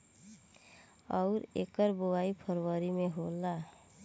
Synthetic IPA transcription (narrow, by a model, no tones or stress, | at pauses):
ɔʊɾeːkəɾboaipʰəɾwəɾimeɦola